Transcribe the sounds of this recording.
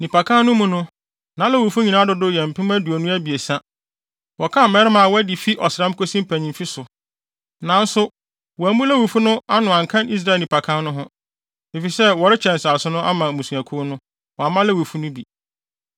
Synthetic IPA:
nĩ˨pa˨kʰã˦n˦nʊ̃˦mũ˦nʊ̃˦ | nã˨˦lɛ˦wu˨fu˦ɲĩ˨nã˦dʊ˨dʊ˦jɛ˨m̩˨pʰɪ̃˦m˦æ˦du˨æ˨nʊ̃˦æ˦bi˨e˨sã˦ | wɔ˨kʰã˦mɛ˦ɾɪ˦mã˨wɔ˦æ˦di˨fi˦ʔɔ˨sɪɾã˦m˦kʰo˦sĩ˦m̩˦pʰæ˨ɲĩ˨mfi˦sʊ˨ | nã˨n˦sʊ˦ | wɔ˨æ˨mũ˦læ˦wi˨fu˦nʊ̃˦a˦nʊ̃˨ã˨ŋkʰã˦ni˦s̬ɾa˦˨nĩ˨pʰa˨kʰã˦nnʊ̃˦ɦʊ̃˦ | e˨fi˨sɛ˦wɔ˨ɾɪ˦t͡ɕʰɛ̃˨n˨sa˨sʊ˦nʊ̃˦ʔa˦mã˨mũ˨su˨æ˨kʰʊ˦nʊ̃˦ | wɔ˨a˨mã˦lɛ˦˨wi˨fu˦nʊ̃˦bi˨

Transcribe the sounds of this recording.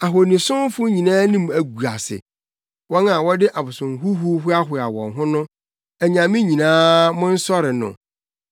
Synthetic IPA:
a˨ɦɔ˨nĩ˨sʊ̃˦m˦fʊ˦ɲĩ˨nãː˦nĩ˦mæ˨ɡu˨a̰˨sɪ̰˨ | wɔ˦na˨wɔ˦dɪ˦ʔa˨bʊ˨sʊ̃˨ŋ˨ɦu˦hu˦ɦʊ˦a˦ɦʊ˨a˨wɔ̰̃˨nɦʊ̃˦nʊ̃˦ | æ˨ɲã˨mĩ˦ɲĩ˨nãː˦mʊ̃˦n̩˦sɔ˦ɾɪ˨nʊ̰̃˨

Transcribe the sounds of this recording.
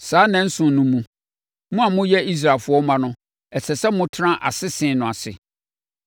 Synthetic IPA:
saː˨˦nɛ̃˨n̩˦sʊ̃˨˦nʊ̃˦mũ˦ | mũ˦a˨mʊ̃˦jɛ˦i˦s̬ɾa˨lfʊ˨˦ɔ˦mã˦nʊ̃˦ | ɛ˨sʰɛ˨sɛ˦mʊ̃˦tʰã˦ʔa̰˨sɪ˦sɪ̃˨nʊ̃˨a˨sɪ̰˨

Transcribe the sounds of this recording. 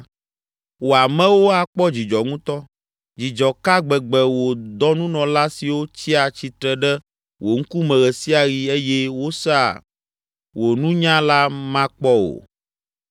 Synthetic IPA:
wo˨a˨mɛ̃˦wo˦a˨k͡pɔ˦d͡ʑi˨d͡ʒɔ˨ŋũ˦t̪ɔ˦ | d͡ʑi˨d͡ʒɔ˨ka˦ɡ͡bɛ˨ɡ͡bɛ˨wo˨d̪ɔ˦nũ˦nɔ̃˨la˦si˨wo˦t͡ɕi˦a˨t͡ɕi˨t̪ɾɛ˨ɖɛ˦ | wʔo˨ŋ̩˦ku˦mɛ̃˨ɣɛ˨si˦a˨ɣi˨e˦je˦wo˦sa˦˨ | wo˨nũ˦ɲã˦la˦mã˦k͡pɔ˦o̰˨

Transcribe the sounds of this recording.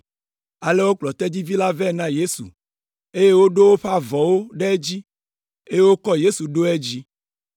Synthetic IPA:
a˨le˦wo˦k͡plɔ˨t̪ɛ˦d͡ʑi˦vi˦la˦vɛ˦˨nã˦je˦sṵ˨ | e˦je˦wo˦ɖo˦wo˦ɸa˦vɔ˨wo˦ɖe˦e˦d͡ʑi˦ | e˦je˦wo˦kɔ˦je˦su˨ɖo˦e˦d͡ʑi˦

